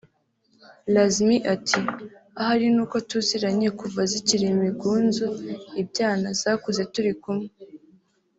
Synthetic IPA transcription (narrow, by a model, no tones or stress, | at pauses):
lazmiʔatʰiahaɾinuːko̞tuziɾaɲekuvaziciɾimiɡuːnzuib̚ɟaːnaz̥akuze̞tuɾikumŋe